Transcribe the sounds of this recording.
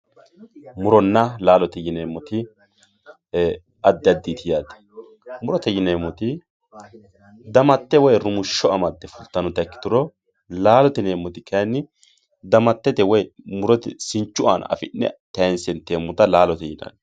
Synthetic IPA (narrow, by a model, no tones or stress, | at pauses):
mʊɾɔnːɐlaːlɔt̪ɛjɪnemːɔt̪ɪ | ɐd̪ːɪɐd̪ːit̪ʰɪjaːd̪ɐ̥ | mʊɾɔt̪ɛjɪnemːɔt̪ɪ | d̪ɐmɐt̪ːɛwɔjɾʊmʊʃːɔɐmɐd̪ːɛfʊlt̪ːɐnɔt̪ɐkːɪ̥t̪ʊɾɔ | laːlɔt̪ɛneːmːɔt̪ɪkʰɐjnːɪ | d̪ɐmɐt̪ːɛt̪ɛwɔjmʊɾɔt̪ɛsɪnt͡ʃːʊʔa̰nɐ̰fɪ̰nːɛ̰t̪ɐjɛnsɛnt̪ːeːmːʊt̪ɐlaːlɔt̪ɛjɪnɐ̰n